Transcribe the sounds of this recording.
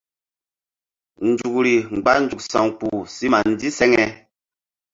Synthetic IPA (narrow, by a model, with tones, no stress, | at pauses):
n̩˨d͡ʒu˨kɾi˨ŋ͡mɡ͡ba˦n˦d͡ʒu˨k̚sa̰˨ŋk͡pu˨si˦ma˨n˦di˦sɛ˦ŋɛ˨